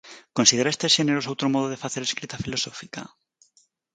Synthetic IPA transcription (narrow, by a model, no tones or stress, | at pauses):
konsiðeɾaest̪esxeneɾosowt̪ɾomoð̞oðefaθeɾeskɾit̪afilo̞sofika̰